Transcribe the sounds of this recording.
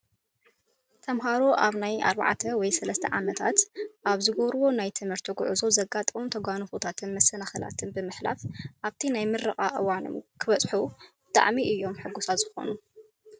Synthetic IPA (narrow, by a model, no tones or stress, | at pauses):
t̪ʰɐmɦaɾoʔaβnaja̰ɾba̰ʕt̪ʰɐwɔjsɐlɐst̪ʰɐ̰ʕamɐt̪ʰat̪ʔaβzɨɡoβɾβo̞najt̪ʰɨmhɨɾt̪ʰiɡʊʕɨzo̞zɐɡat̪ʼomt̪ʰɐɡʷanɨfut̪ʰat̪ʰɨnmɐsːɐnaxɐla̰t̪ʰɨnbɨmɨħla̰fʔaβt̪ʰinajmɨrːɨχʼaʔɨwano̰mkʰɨβɐt͡sʼħubɨt̪ʼa̰ʕmiʔɨjːo̞mħɨɡusazɨxo̞̰nu